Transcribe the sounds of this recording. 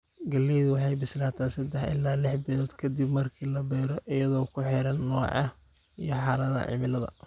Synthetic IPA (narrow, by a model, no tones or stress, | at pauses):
ɡɐlɛjðʊwɑħɑjbɪslaːt̪ʰaːnsɐd̪ɛħɪ̰laːlɪħbɪlɔːd̪kʰɐd̪ibmɐrkʰiːlɐbɛːɾɔʔɪjɐðɔːkʰʊħɛɾɐnːɔːʕɑ | ijɞħɑːlɐðɐ̰ʕɪ̰mɪlɐðɐ̰